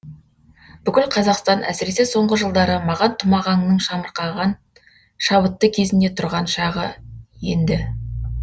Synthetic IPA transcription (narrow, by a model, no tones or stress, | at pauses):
b̥ʏkʲɪlqʰɑzɑqst̪ɑnʔæ̰sɪɾe̞seso̞ɴʁəʒəlˠd̪ɑɾəmɑʁɑnt̪ʰʊmɑʁɑŋnəɴʃɑməɾqɑʁɑn | ʃɑβət̪ːəkʲʰe̞zɪne̞t̪ʰʊɾʁɑnʃɑʁəjend̪ɪ